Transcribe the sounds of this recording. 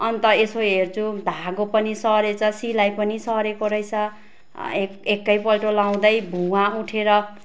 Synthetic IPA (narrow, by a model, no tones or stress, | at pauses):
ʌnt̪ʌesoɦert͡sʰud̪ʱaɡopʌnisʌɾet͡sʰʌsilajpʌnisʌɾekoɾʌjt͡sʰʌ | eekːʌjpʌlʈolaw̃d̪ʌjbʱuãuʈʰeɾʌ